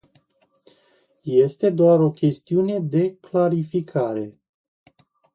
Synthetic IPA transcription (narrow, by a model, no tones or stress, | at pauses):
je̞st̪e̞d̪oaɾo̞kʲe̞st̪iune̞d̪e̞klaɾifikʰaɾe̞